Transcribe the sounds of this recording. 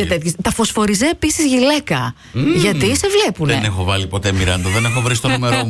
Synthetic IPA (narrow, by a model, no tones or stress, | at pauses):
et̪et̪çest̪ɐfo̞sfo̞ɾizeːpisizʝile̞kɐ | ʝɐt̪ise̞vle̞puneenexovɐlipo̞t̪e̞miɾɐnd̪oðenexovɾisit̪onume̞ɾo